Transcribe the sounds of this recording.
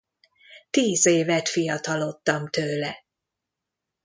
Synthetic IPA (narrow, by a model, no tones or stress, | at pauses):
t̪iːzeːvɛt̪fijɒt̪ɒlot̪ːɒmt̪øːlɛ